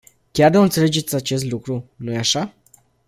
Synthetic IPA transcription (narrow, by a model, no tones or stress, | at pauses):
kʲard̪oɨnt̪sele̞d͡ʒe̞t̪sʲat͡ʃe̞s̬t̪lukɾunujeaʃa